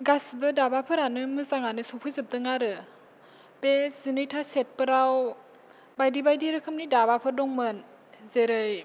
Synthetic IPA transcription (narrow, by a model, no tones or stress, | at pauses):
ɡasbɯdabapʰɯɾanɯmɯzaŋanɯsɔpʰɯjzɯp̚dɯŋaɾɯ | bezɯnɯjtʰaset̚pɯɾaw | bajdibajdiɾɯkʰɯmnidabapʰɯɾdɔŋmɯn | zeɾɯj